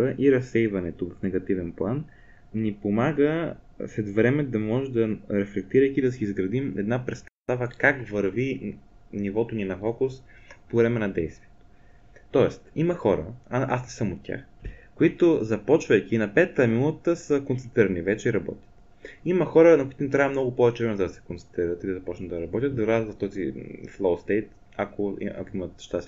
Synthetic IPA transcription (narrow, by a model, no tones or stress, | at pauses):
əʔiɾɐsːɛjvɐnɛt̪ovɐfnɛɡɐt̪ivɛnplˠan | nipomaɡə | slɛt̪vɾɛmɛd̪ɐmɔʒɛd̪ɐɾɛflɛk̚t̪iɾəjkid̪ɐsiːzɡɾɐd̪imɛ̰d̪napɾɛst̪ɐt̪avəkakvəɾvinivɔt̪oninɐfɔkʊs | povɾɛmɛnɐd̪ɛjst̪viɛt̪o̥ | t̪ɔɛst̪imɐxɔɾə̰aʔa̰snɛsəmot̪̚tːʲa̰xkoit̪ozɐpɔt͡ʃvəjk̟iːnɐpɛt̪ːəmilˠət̪əsəkonsɛnt̪ɾiɾɐnivɛt͡ʃɛiɾɐbɔ̰t̪ʲə̥t̪ | iməxɔɾənɐkoʊit̪unɛt̪ɾavɐmnɔɡʊpɔvɛt͡ʃɛvɾɛmɛzəd̪ɐsɛ̥kont̪sɛnt̪ɾiɾət̪id̪izɐpɔt͡ʃnət̪d̪ɐɾɐbɔt̪ʲət̪d̪ɐɾat̪vɐft̪ɔziflˠowst̪ɛjt̪ | akoḭa̰koimət̪ʃt̪as